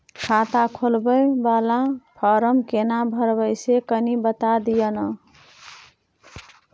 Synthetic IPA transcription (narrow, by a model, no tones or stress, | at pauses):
kʰat̪akʰolbəjbalãpʰɔɾəmkenabʱəɾbəjsekənibət̪ad̪ijənə